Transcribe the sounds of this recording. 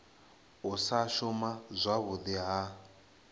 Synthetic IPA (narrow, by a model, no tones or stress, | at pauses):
ʊsaʃʊmazʷaβʊdiɦa